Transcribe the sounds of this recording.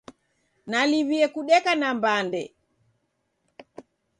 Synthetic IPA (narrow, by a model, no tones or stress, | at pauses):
naliβiɛkuɗɛkanambandɛ̰